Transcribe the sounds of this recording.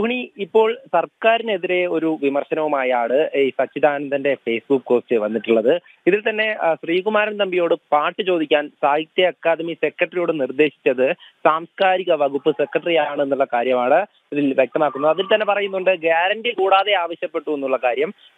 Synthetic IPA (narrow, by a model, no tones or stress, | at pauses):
puɦɐɳiipːo̞ːɭsɐrkaːɾine̞ðiɾe̞o̞ɾuʋimɐrɕɐnɐʋumaːjaːɳɨsɐt͡ɕːid̪ʱaːnɐmnd̪ɐnde̞fe̞ːsbukːko̞ːst͡ɕɨʋɐnːiʈːuɭːɐðɨ | iðilt̪ɐnːe̞ɕriːɡumaːɾɐmt̪ɐmbijo̞ːɽɨpaːʈːɨt͡ɕo̞ːd̪ikʲːaːnsaːjit̪ːjɐɐkːaːd̪ɐmise̞krɐʈrijo̞ːɽɨnird̪e̞ːɕi̥t͡ɕːɐðɨsaːmskaːɾiɣɐʋɐɣupːɨse̞kːrɐʈrijaːɳɨe̞nːuɭːɐkaːɾjɐmaːɳɨ | iðilʋjek̚t̪ɐmaːkːunːɐðɐðilt̪ɐnːe̞pɐrɐjunːuɳɖɨɡaːɾɐɳʈikuːɽaːðe̞aːʋɐɕjɐpːe̞ʈːue̞nːuɭːɐkaːɾjɐm